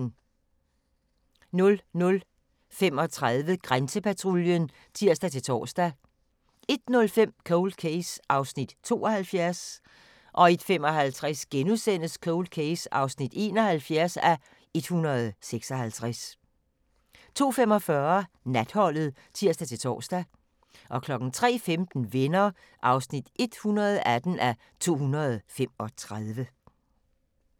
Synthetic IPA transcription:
nɔ̽lnɔ̽l | fem̰ɒ̽t͡sʰʁaðˠʋəɡ̥ʁansəpʰæt͡sʰʁoljən | t͡sʰiɐ̰sd̥æt͡sʰe̝t͡sʰɒ̰ːsd̥æ | e̝d̥nɔ̽lfem̰kʰoʊld̥̚kʰesʔɑ̈ʊsnid̥t͡sʰo̝̰ːɒ̽hælfjæɐs | ʔɒ̽e̝d̥fem̰ɒ̽ɦælt͡sʰʁasɡ̥enusen̰əskʰoʊld̥̚kʰeɪsɑ̈ʊsnid̥e̝̰ːnɒ̽hælfjæɐsæ | e̝d̥hunʁɐð̞̩ˠseɡ̥sɒ̽hælt͡sʰʁas | t͡sʰo̝̰ːfemɒ̽fɶɐ | næd̥hɒ̽l̰ð̞̩ˠ | t͡sʰiɐ̰sd̥æt͡sʰe̝t͡sʰɒ̰ːsd̥æ | ʔɒ̽kʰlɒ̽ɡ̥n̩t͡sʰʁɛ̰ːfemd̥n̩ʋe̝nɐ | ʔɑ̈ʊsnid̥e̝d̥hunɐð̞ˠæd̥n̩æ | t͡sʰo̝̰ːɦunɐð̞̩ˠfem̰ɒ̽t͡sʰʁaðˠʋə

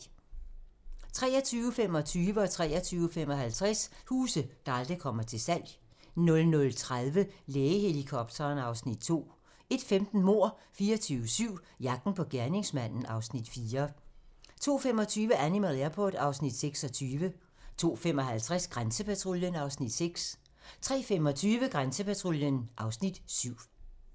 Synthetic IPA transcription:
t͡sʰʁɛ̰ːɐt͡sʰyːʊəfem̰ɒ̽t͡sʰyːʋəɒ̽t͡sʰʁɛ̰ːɐt͡sʰyːʊəfem̰ɒ̽ɦælt͡sʰʁɛshuːsəɡ̥ɑld̥əkʰɒ̽m̰ɐt͡sʰe̝lsæl̰j | nɔ̽lnɔ̽lt͡sʰʁaðˠʋəleːəhe̝likʰɒ̽b̥̚t͡sʰɐːnɑ̈ʊsnid̥̚t͡sʰo̝̰ː | e̝d̥femd̥n̩mo̝ɐ̰fiːɐt͡sʰyːʊəsyʊ̰ | jɑ̈ɡ̥̚d̥n̩pʰɒ̽ɡ̥æɐne̝ŋsmæn̰n̩ɑ̈ʊsnid̥fiːɐ | t͡sʰo̝̰ːfem̰ɒ̽t͡sʰyːʋəʔænimæðˠæɐpʰɒ̰ːd̥ɑ̈ʊsnid̥seɡ̥sɒ̽t͡sʰyːʋə | t͡sʰo̝̰ːfemɒ̽ɦælt͡sʰʁasɡ̥ʁansəpæt͡sʰʁoljənɑ̈ʊsnid̥seɡ̥s | t͡sʰʁɛ̰ːfem̰ɒ̽t͡sʰyːʋəɡ̥ʁansəpæt͡sʰʁoljənʔɑ̈ʊsnid̥syʊ̰

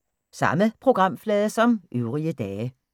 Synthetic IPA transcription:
sɑ̈məpʰʁo̝ɡ̥ʁɑ̈m̰flɛːðˠəsɒ̽mʔyʊʁiəd̥ɛːə

